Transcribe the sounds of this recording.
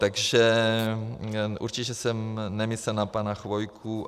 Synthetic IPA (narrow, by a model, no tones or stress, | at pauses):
t̪aɡʒɛ | ʔṵɾt͡ʃicɛsɛmnɛmisɛnapanaxvojkʰu